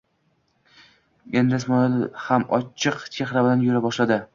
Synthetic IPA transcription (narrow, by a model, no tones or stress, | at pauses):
e̞nd̪ɪsmɒɪlhamɒt͡ʃʰːɨqt͡ʃʰe̞xɾabɪlanjoɾabɒʃlad̪ɪ